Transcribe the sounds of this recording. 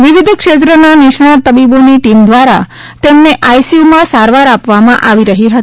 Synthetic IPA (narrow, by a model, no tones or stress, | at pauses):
ʋiʋɪd̪ʱkʃet̪ɾənanɪʃɳat̪əbiboniʈimd̪ʋaɾa̰ | t̪emneʔajsiumãsaɾʋaɾapʋamãʔaʋiɾəɦiɦət̪i